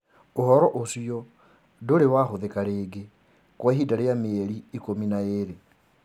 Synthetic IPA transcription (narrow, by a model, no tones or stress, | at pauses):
ohɔɾɔʔosiɔ | doɾewaxoðekaɾeːɡe | kwaɦidaɾejameeɾiːkominaeɾe